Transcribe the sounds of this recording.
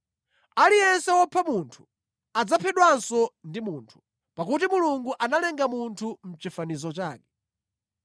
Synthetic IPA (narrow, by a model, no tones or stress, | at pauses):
alijɛnsɛwɔpʰamuntʰu̥ | ad͡zapʰɛɗwansɔndimuːntʰu̥ | pakut̬imuluŋɡuʔanalɛŋɡamuntʰum̩t͡ʃifanizɔt͡ʃaːkɛ̥